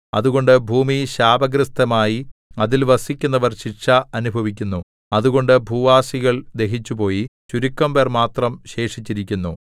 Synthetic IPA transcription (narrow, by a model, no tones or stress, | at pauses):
ɐ̰ðuɣo̞ɳɖɨbʱuːmiɕaːbɐɡɾɨst̪ʰɐmaːjiɐðilʋɐsikʲːunːɐʋɐrɕiʈʂɐɐnubʱɐʋikʲːunːu | ɐðuɣo̞ɳɖɨbʱuːʋaːsiɣɐɭd̪e̞ɦit͡ɕːupo̞ːjit͡ɕuɾukːɐmbermaːt̪rɐmɕe̞ːʂit͡ɕːiɾikʲːunːu